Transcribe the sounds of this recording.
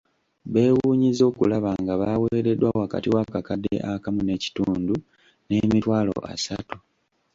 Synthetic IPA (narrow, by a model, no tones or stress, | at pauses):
βe̞ːwuːɲizo̞ːkulaβaŋɡaβaweːɾe̞dwawaka̰tiwakakadḛʔakamune̞ci̥tuːndu | ne̞ːmitwaːlo̞̰ʔa̰satu